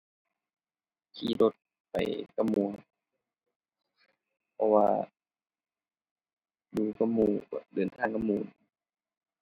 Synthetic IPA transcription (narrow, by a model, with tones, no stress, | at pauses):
kʰiː˧˦do˧˦t̪̚ | pa̰˨jka˧˥mu˧˦ | pʰɔ˧waː˧ | duː˧˩ka˧muː˧˩˧dɤː˨˩˨nt̪ʰaː˧˥˨ŋka˧muː˧˩